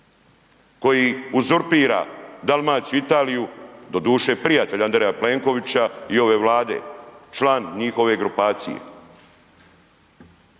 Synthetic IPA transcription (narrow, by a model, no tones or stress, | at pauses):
ko̞jiuzoɾpiːɾa̰d̪almaːsuit̪aːlijud̪o̞d̪uːʃe̞pɾijat̪e̞ʎand̪ɾejaple̞ŋko̞ʋit͡ɕaio̞ʋe̞ːʋlaːd̪e̞̰t͡ʃlaːnɲixo̞ʋe̞ɡɾupaːt̪sḭjḛ